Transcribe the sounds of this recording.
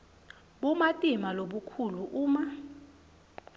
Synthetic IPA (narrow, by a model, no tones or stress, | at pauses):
ɓumatʼimaloɓukʰuluʔuːma